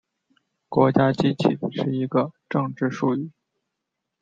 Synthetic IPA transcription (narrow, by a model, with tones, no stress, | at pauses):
kwɔ˧˥t͡ɕja˥t͡ɕi˥t͡ɕʰi˥˩ʂɻ̩˥˩i˧˥ɡə˧ʈ͡ʂɤ˥˧ŋʈ͡ʂɻ̩˥˧ʂu˥˧y˥˩